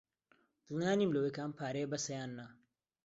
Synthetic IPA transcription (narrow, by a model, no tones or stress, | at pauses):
d̪̥ɨlˠnjaːniːmlowekaːnpʰaːɾejbɐsɐjaːnːɐ